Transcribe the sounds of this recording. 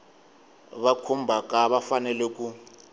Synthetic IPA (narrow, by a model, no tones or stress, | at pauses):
βakʰumbʱakʼaβafanɛlɛk̬ʼu